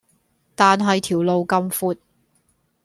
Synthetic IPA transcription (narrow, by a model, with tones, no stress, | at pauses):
t̪aː˨nɦɐ˨jt̪ʰiː˨˩wlo˨wkɐ˧mfuː˧t̚